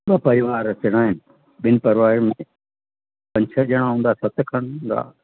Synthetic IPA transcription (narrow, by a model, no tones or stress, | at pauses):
bapɐɾɪʋaːɾəsɪɽ̃aːɦɪnɪ̆ | ɓɪnɪ̆pɐɾʋaːɾmẽ | pɐ̃ɲt͡ʃʰəd͡ʑɐɽ̃ãɦũːnd̪aːsɐt̪kʰəɽ̃nd̪a̰ː